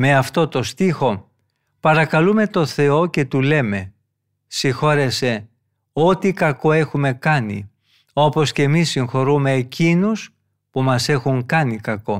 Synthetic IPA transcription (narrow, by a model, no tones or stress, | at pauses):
me̞ɐft̪o̞t̪o̞st̪ixo̞ | pɐɾɐkɐlume̞t̪o̞θe̞o̞ce̞t̪ule̞me̞ | sixo̞ɾe̞se̞ | o̞t̪ikɐko̞e̞xume̞kɐnḭ | o̞po̞sce̞misːiŋxo̞ɾume̞ːcinus | pumɐse̞xuŋkɐnikɐko̞